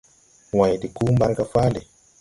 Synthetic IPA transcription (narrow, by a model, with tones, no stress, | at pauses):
wa˨jdi˨ku˦mba˦ɾɡa˨fa˦le˨